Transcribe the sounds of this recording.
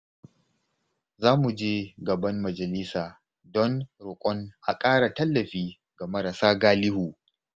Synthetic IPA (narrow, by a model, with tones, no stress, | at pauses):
zaː˦mu˨d͡ʒeː˦ɡɐ˨bɐ˦mːɐ˨d͡ʒɐ˨lɪ˦saː˨ | dɔ˦nɽʊ˨kʷʼɔ˦ŋʔa˨kʼaː˦ɽa˨tɐ˦lːɐ˨ɸiː˦ | ɡa˨mɐ˦ɾa˨saː˦ɡaː˦lɪ˦huː˨